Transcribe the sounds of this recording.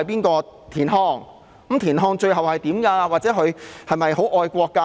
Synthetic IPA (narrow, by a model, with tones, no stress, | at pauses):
ɐ˨jpiː˥nkɔː˧t̪ʰiː˨˩nɦɔː˧ŋ | kmt̪ʰiː˨˩nɦɔː˧ŋt͡ʃɵ˧ɥɦɐ˨˩whɐ˨jt̪iː˨˥mkaː˧waː˨t̚t͡sɛː˨˥kʰɵ˨˧hɐ˨jmɐ˨jho˨˥wʔɔː˧jkʷɔː˧kːa˧